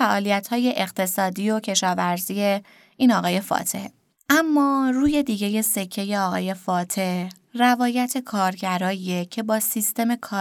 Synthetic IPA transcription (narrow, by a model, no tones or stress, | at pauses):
fæʔɒːlijæt̪hɒːje̞ʔeɣt̪ʰe̞sɒːd̪iːjocʰe̞ʃɒːvæɾzije̞ | iːnɒːɣɒːje̞fɒ̰ːt̪ʰehe | ʔæmːɒːruːje̞d̪iːɟeje̞se̞cʰːe̞je̞ɒːɣɒ̰ːje̞fɒːt̪ʰe̞h | rævɒːjæt̪ʰe̞kʰɒːɾɟæɾɒːiecʰe̞bɒːsist̪e̞me̞kʰɒː